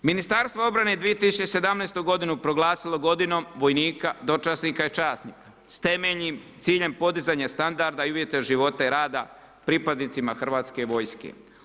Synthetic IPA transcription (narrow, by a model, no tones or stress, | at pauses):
minist̪aɾst̪voo̞bɾane̞d̪ʋijet̪isut͡ʃt͡ɕese̞d̪amnejst̪uɡo̞d̪inupɾo̞ɡlˠaːsilˠo̞ɡo̞d̪ino̞mʋo̞jniːkad̪o̞t͡ʃasnikait͡ʃaːsnika | st̪e̞meʎnimt̪siːʎe̞mpo̞d̪izaɲast̪and̪aɾd̪aiuʋje̞t̪eʒiʋo̞t̪eɾaːd̪a | pɾipad̪nit̪simaxr̩ʋaːt̪skeʋo̞jskḛ